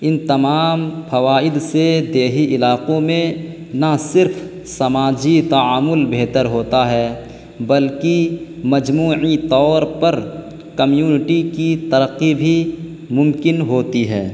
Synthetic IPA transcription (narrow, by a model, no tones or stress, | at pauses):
ɪnt̪ɐmaːmpʰɐʋaːɪd̪sed̪eːɦiʔɪlaːqõmẽ | nɐsɪɾfʰ | sɐmaːd͡ʒit̪ɐaːmʊlbeːt̪əɾɦoːt̪aɦɛː | bɐlkimɐd͡ʒmuːʕit̪ɔːɾpɐɾ | kɐmjuːnɪʈikit̪ɐɾəqːibʱi | mʊ̃mkɪnɦoːt̪iɦɛː